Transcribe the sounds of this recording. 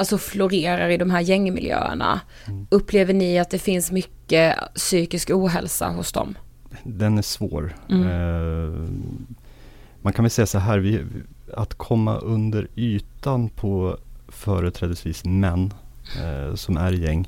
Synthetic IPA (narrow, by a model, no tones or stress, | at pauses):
alsɔflʊɾeːɾaɾɪd̪ɔmɦæːɾjɛŋːmɪ̰ljø̰ːə̰ɳa̰ | ɵpːleːvəɳɪat̪̚d̪ɛfɪnsmʏkːəsyːkɪskuːɦɛlsa̰ɦʊsd̪ɔ̰m | d̪ɛnæʂvo̰ːɾ | mankʰanvɛlsɛjːasɔɦæːɾvɪ | at̪kʰɔmːa̰ʔɵnd̪əɾyːt̪anpʰɔfœːɾət̪ʰɾɛːd̪əsviːsmɛnː | sɔmæɾjɛŋː